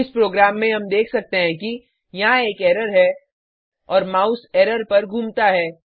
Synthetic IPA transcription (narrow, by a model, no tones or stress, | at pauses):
ɪspɾoːɡɾaːmːẽɦɐmd̪eːkʰsɐk̚t̪eɦɛ̃ki | jɐɦãeːkɛːɾəɾɦɛ | ɔːɾmaːʊsɛːɾəɾpɐɾɡʱũːmt̪aɦɛː